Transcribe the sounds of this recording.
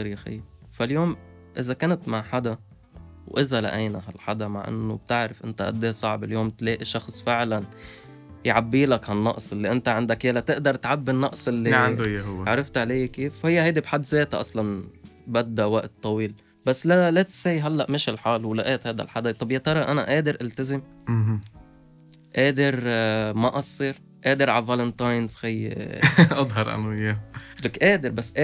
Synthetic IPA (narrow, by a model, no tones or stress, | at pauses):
ɑɾjxɪ̰jː | faljoːm | ʔɪzakeːnt̪maʕħad̪a | wʔɪzala̰ʔaːnaɦa̰lħad̪ama̰ʕʔɪ̰nːʊb̥̚t̪ɪʕɾɪfʔɪ̰nt̪aʔa̰d̪ːeːsˤɑʕbɪljoːmt̪leːʔiʃɑxsˤfɪʕlan | jʕabːiːlakhanːɑʔsˤʔɪlːiʔɪnt̪aʕɪnd̪akjelat̪ɪʔd̪ɑɾˤt̪ʕabːinːɑʔsˤɪlːiaʕand̪ʊjːaɦʊwːʕɾˤɑft̪ʕalajːakiːfhɪjːahajd̪ibħad̪ːzeːt̪aʔɑ̰sˤlɑnbad̪ːawaʔt̪ˤːɑwiːl | basːlalat̪sajɦalːaʔmɪʃɪlħaːlwlaʔeːt̪haːjd̪a̰lħad̪t̪ˤɑbjat̪ɑɾˤɑʔana̰ʔeːd̪ɪɾʔalt̪azɪm | ʔeːd̪ɪɾmaʔɑsˤːiːɾ | ʔeːd̪ɪɾʕavalɪnt̪ajnz̥xaj̰ːʔɑd̪ˤɦɑɾˤʔa̰najelakʔeːd̪ɪɾbasːʔ